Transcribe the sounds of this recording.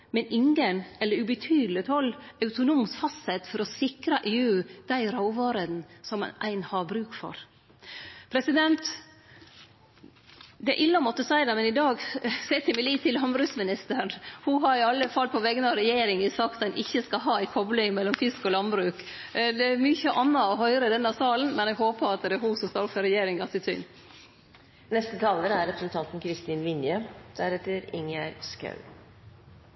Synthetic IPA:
mɛnɪŋɡənɛlːəɾʉbət̪ʰyːd̪l̩ɪt̪ɔlːɑʉt̪ʊnuːmsfɑst̪hɛt̪fɔɾɔsɪkɾɑʔeːʉːd̪̥æɪɾɑʊʋɑːɾəd̪nsɔm̰ʔæ̰ɪnhɑɾbɾʉːkfɔ̰ɾ | pʰɾɛsɪd̪ɛnt̪ | d̪ɛæ̰ʔɪlːɑmɔt̪ːəsæɪd̪ɛmɛnɪd̪ɑːɡsæɪt̪ʰɪmɪliːt̪ʰːɪlhɑnbɾʉːsmɪnɪst̪əɾɳhuɦɑɾɪɑlːəfɑlpʰɔʋɛɡnɑɾɛjeːɾɪŋɪsɑkt̪dɛnʔɪçːəskɑɦɑːæɪkʰɔblɪŋmɛlːɔmfɪskɔlɑnbɾʉːk | d̪ɛæɾmyçəʔɑnːɑɔɦœʏɾəd̪ɛnɑsɑːln̩mɛnɛːɡɦoːpəɑt̪d̪ɛɦuːsɔmskɑɾɔfəɾɛjeːɾɪŋɑsɪsʏ̰nː | nɛst̪ət̪ʰɑːləɾæɾɾɛpɾəsnt̪ʰɑnt̪n̩kʰɾɪst̪iːnʋɪnjəd̪̥æɾɛt̪ːəɾɪ̰ŋæɾskɑ̰ʉ

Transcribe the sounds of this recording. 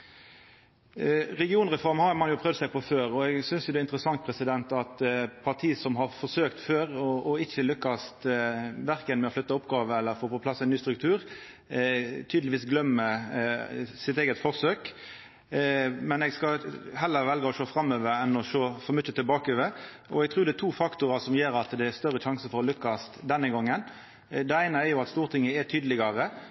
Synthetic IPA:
ɾɛɡɪuːnʁɛfɔɾmhɑɾmɑnjʊpʰʁœʋd̪sæɪpʰɔføːɾɔɛɡsʏnsjʊd̪ɛːɪnt̪ɾəsɑŋt̪̚pʰʁɛsɪd̪ɛnt̪ɑt̪pʰɑʁt̪ʰiːsɔmɦɑɾfɔʁsøːkt̪føːɾɔːɪçːəlʏkːɑst̪ʋæɾkənmɛɔflʏt̪ːɑʊpɡɑːʋəɛlːəɾfoːpɔpʰlɑsːɛnyːst̪ɾʉk̚t̪ʰʉːʁ | t̪ʰyːd̪lɪʋiːsɡlœmːə | sɪt̪eːɡət̪fɔʁsøːk | mɛnɛɡskɑɦɛlːəɾʋɛlɡəɔʃoːfɾɑmːøːʋəɾɛnːɔʃoːfɔmʏçət̪ɪlbɑːkøʋə | ʔɔɛɡ̚t̪ʰʁuːd̪ɛt̪ʰuːfɑkt̪ʊɾɑsɔmjeːɾɑt̪d̪ɛæst̪œɾəɕɑŋsəfɔɾɔlʏkːɑst̪d̪ɛnːəɡɔŋːən | d̪ɛæɪnəɛʁjʊɑt̪st̪uːʁt̪ʰɪŋːəɛt̪ʰyːd̪əlɪɡɑʁə

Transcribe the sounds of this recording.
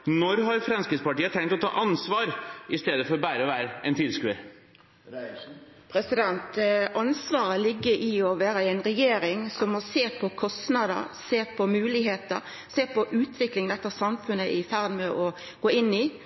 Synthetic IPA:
nɔɾɦɑɾfɾɑnskɾɪspɑʈiːət̪ʰɛŋt̪ɔt̪ʰɑ̰ːʔɑnsʋɑːɾɪst̪eːd̪əfɔɾbæːɾəɔʋæːɾəɛ̰nt̪ʰɪlskʉ̰ːə | pʰɾɛsɪd̪ɛnt̪ʔɑnsʋɑːɾəlɪɡːəɾʔɪɔʋæːɾəɛɪnɾɛjeːɾɪŋsɔmɔseːpʰɔkʰɔst̪nɑːd̪ə̰ɾseːpʰɔmʉːlɪɦeːt̪əɾ | seːpɔʔʉːt̪ʰʋɪklɪŋnɛt̪ːəsɑmfʉnːəʔɪfæʁd̪mɛʔɔ | ɡ̥oːɪnːɪ

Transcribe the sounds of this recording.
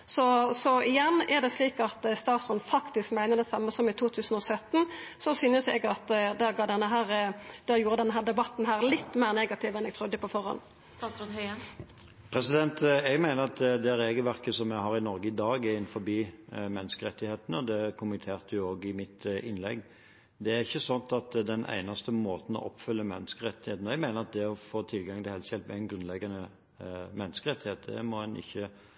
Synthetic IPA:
sɔsɔɪjɛnːɛd̪ɛsliːkɑt̪st̪ɑːt̪sʁɔnːfɑkt̪ɪskmæɪnəʁd̪ɛsɑmːəsɔmɪt̪ʰuːt̪ʰʉːsən̩ɔsœt̪ːn̩sɔsyːnəsɛ̰ɡɑt̪d̪æɡɑːd̪ɛnːəɦæːɾd̪ɛæjuːɾəd̪ɛnːəɦæːɾd̪ɛbɑt̪ːn̩ɦæːɾlɪt̪ːmeːɾneːɡɑt̪ʰɪʋɛnɛɡt̪ʰʁʊd̪ːəpɔfɔɾhɔ̰n | sɑsnhœə | pʰɾɛsɪd̪ɛnt̪ɛɡmæɪnəʁɑt̪d̪ɛæɾːeːɡəlʋæʁkəsɔmjæɦɑʁɪnɔɾɡəɪd̪ɑːɡæɪnfɔɾbiːmɛnːəskəɾɛt̪ːɪheːt̪n̩ɔd̪ɛkʰʊmɪt̪ʰeːʁt̪ʉjʊoːɡɪmɪt̪ɪnlɛ̰ɡː | d̪ɛæʁɪçːəsɑnt̪ɑt̪d̪ɛnʔæ̰ɪnɑst̪əmoːt̪n̩ɔ̰ʔɔpːfʏlːəmɛnːəskəɾɛt̪ːɪheːt̪n̩ɛɡmæɪnəɾɑt̪̚d̪ɛɔfoːt̪ʰɪlɡɑŋt̪ɪhɛlsjɛlt̪mɛæɪnɡɾʁʉnlɛɡːɑnə | mɛnːəskəɾɛt̪ːɪheːt̪d̪ɛ̰mɔhɛnʔɪ̰çːə

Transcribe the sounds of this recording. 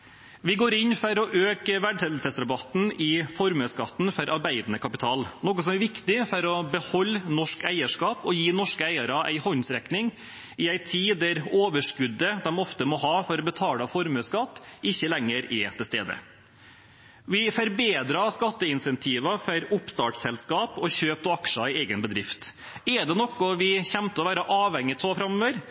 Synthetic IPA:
ʋɪɡoːɾɪnːfɔɾɔʔøːkəʋæɖʂɛt̪l̩səsɾɛbɑt̪n̩ɪfɔɾmøːskɑt̪ːn̩fɔɾʔɑɾbæɪd̪nəkʰɑpɪt̪ʰɑːlnɔːkəsɔmæɾʋɪkt̪ɪfɔɾɔbəhɔlːnɔʂkæɪəʂkɑːpɔjiːnɔʂkəæɪəɾɑʔæ̰ɪhɔnsɾɛknɪŋ | ɪæɪt̪ʰiːd̪æɾoːʋəʂkʉd̪ːəd̪ɛmɔft̪əmɔɦɑːfɔɾɔbət̪ʰɑːlɑfɔɾmʉskɑt̪ːɪçːəlɛŋːəɾɛt̪ʰɪst̪ḛːd̪ə̰ | ʋɪfɔɾbeːd̪ɾɑskɑt̪ːəɪnsɛnt̪ʰiːʋɑfɔɾʊpst̪ɑːʈsɛlskɑːpɔçøːp̚t̪ɔɑkʂɑɪeːɡənbəd̪ɾɪft̪ | ɛɖ̪ɛnɔkːɔʋɪçɛmt̪əɔʋæːɾəʔɑːʋɛŋːɪt̪soːfɾɑmøːʋəɾ

